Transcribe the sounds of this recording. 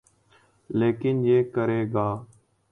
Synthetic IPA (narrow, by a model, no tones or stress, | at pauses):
leːkɪnd͡ʒeːkəɾeːɡaː